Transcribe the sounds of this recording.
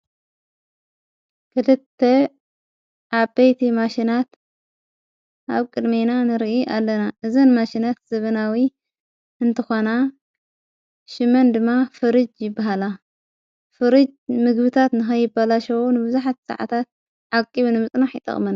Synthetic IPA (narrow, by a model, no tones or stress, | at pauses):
kʰɨlɨt̪ʰːe | ʔaβbejt̪ʰimaʃinat̪ | ʔaβkʼɨd̪menanɨɾʔiʔalːɐnaʔɨzɐnmaʃinat̪z̥ɐβɐnawi | ɨnt̪ʰɨxona | ʃɪmɐnd̪ɨmːafɨɾɨd͡ʒjɪbːaɦala | fɨɾɨd͡ʒmɨɡbɨt̪ʰat̪nɨxɐjɪbalaʃɐwunɨbɨzaħat̪sa̰ʕa̰t̪ʰat̪̚ | ʕakʼːiβnɨmɨt͡sʼnaħɪ̰t̪ʼɐ̰χʼmɐna